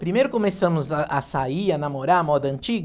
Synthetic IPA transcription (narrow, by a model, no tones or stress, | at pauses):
pɾimejɾʊkomesɐ̃mʊzaʔasaianamoɾaɐmɔd̪ɐɐ̃nt͡ʃiɡɐ